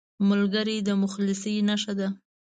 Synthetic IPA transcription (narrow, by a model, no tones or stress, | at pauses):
mʊlɡəɾid̪əmʊxlɪsinaʃad̪a